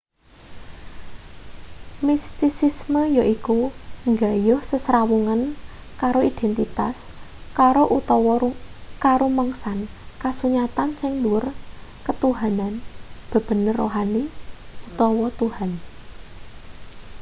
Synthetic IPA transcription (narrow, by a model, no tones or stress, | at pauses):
mist̪isisməjaʔikuŋɡajʊhsəsɾawuŋan | kaɾoid̪̥ɛnt̪it̪as | kaɾoʔut̪ɔwɔukaɾoməŋsan | kasuɲat̪ansɪŋluʊrkət̪uɦananb̥ə̤b̥ə̤nərːo̰ɦaniut̪ɔwɔt̪uhan